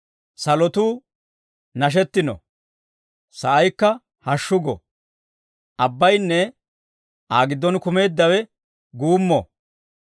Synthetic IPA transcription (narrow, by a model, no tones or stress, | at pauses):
sɐlɔt̪uː | nɐʃ̬ɛt̪ːɪnɔ̰ | sɐʔɐjkːɐ | hɐʃːʊɡɔ̰ | ʔɐbːɐjnːɛ | ʔaːɡɪd̪ːɔnkʊme̞ːd̪ːɐwɛ | ɡuːmːɔ̰